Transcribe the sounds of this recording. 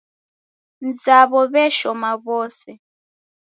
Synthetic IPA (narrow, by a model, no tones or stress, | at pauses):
nzaβɔβɛʃɔmaβɔsɛ